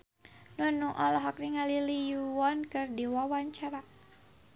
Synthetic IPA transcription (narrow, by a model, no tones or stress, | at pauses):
nunuʔɔlɔɦɔk̚niŋalilijuwɔnkɨrdiwawaɲt͡ʃaɾa